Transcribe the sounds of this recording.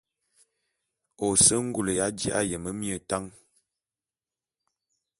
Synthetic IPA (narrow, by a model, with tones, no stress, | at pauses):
o˨sə˦ŋ̩˦ɡu˦˨lə˨ja˨˦d͡ʒḭ˦ʔa̰˦jə˨mə˦mi˦ə˨ta˦ŋ